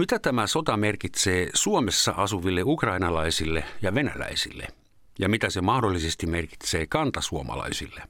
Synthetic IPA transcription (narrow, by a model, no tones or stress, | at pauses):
mit̪æt̪æmæsot̪ɑmerkit̪seːsuomesːɑ̰ʔɑsuʋilːeukrɑinɑlɑisilːejɑʋenæ̰læ̰isilːḛ | jɑmit̪æsemɑhdolːisest̪imerki̥t̪seːkɑnt̪ɑsuomɑ̰lɑ̰isḭlːe